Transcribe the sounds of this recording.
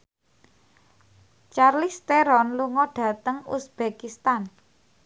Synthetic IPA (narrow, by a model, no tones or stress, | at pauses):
t͡ʃarlist̪eɾɔnluŋɔɖ̥ä̤t̪əŋṵsb̥ekist̪an